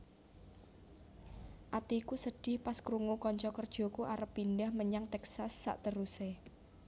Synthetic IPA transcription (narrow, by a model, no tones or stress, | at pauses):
ʔat̪iːkusəɖ̥ɪ̤hpaskɾuŋokɔɲt͡ʃɔkərd̥ʒ̥ɔ̤kuʔaɾəpːinɖəhməɲaŋt̪ɛksasːa̰ʔt̪əɾuse